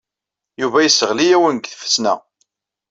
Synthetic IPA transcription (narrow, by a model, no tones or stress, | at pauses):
juvæjəsəʁlijæwənɡθə̥fə̥snæ̰